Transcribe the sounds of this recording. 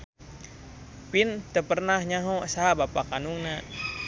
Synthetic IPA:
pint̪əpərnahɲaɦɔsaɦabapakanuŋna

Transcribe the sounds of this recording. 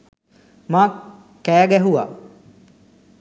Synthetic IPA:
maː | kːæːɡɛɦuʋa̰

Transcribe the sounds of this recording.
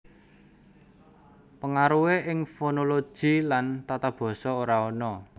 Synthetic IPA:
pəŋaɾuweʔɪŋfonolo̥ʒ̥i̤lant̪at̪ab̥ɔ̤sɔoɾaɔnɔ

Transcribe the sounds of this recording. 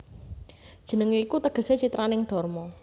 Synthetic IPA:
d̥ʒ̥ə̤nəŋiːkut̪əɡ̥ə̤set͡ʃit̪ɾanɪŋɖ̪̥ɔ̤rmɔ

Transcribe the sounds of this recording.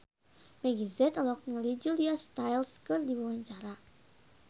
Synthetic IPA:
mɛɡizɛt̪lɔk̚nəlid͡ʒuliast̪ajlskɨrdibuwaɲt͡ʃaɾa

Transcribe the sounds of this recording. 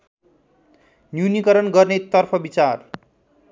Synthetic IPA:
njunikʌɾʌnɡʌrnet̪ʌrpʰʌbit͡sar

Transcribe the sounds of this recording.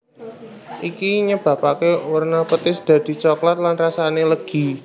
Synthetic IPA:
ʔikiɲəb̥a̤pakewərnapət̪ɪsd̪̥ä̤d̪̥i̤t͡ʃɔklat̪̚lanrasaneləɡ̥i̤

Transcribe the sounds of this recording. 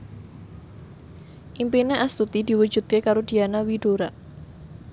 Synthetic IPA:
ʔimpineʔast̪ut̪idi̤wu̥d͡ʒṳd̪̚kekaɾod̥ianawiɖ̥oɾaʔ

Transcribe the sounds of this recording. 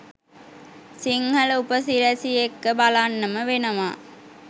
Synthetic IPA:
siŋhɐləupəsiɾæsiekːəbalanːəməʋenəʋa̰ː

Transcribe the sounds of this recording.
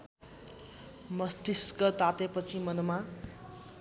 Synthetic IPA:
mʌst̪iskʌt̪at̪epʌt͡sʰimʌnoma

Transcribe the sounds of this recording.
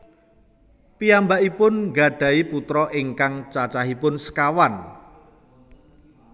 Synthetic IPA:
piambaʔipʊnŋɡa̤ɖ̥ä̤iput̪ɾɔʔɪŋkaŋt͡ʃat͡ʃaɦipʊnsə̥kawan

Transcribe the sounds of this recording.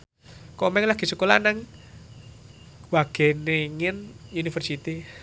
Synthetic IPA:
kɔmɛŋlaɡ̥i̤səkolanaŋ | waɡ̥eneŋɪnunifərsit̪i

